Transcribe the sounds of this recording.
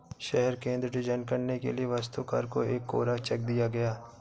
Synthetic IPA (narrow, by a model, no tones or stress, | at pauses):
ʃɛɦɛɾkẽːnd̪ɾəɖɪd͡ʒənkɐɾnekḛlieʋast̪uka̰ːɾkoeːkːo̰ːɾat͡ʃɐk̚d̪ijaɡɐjaː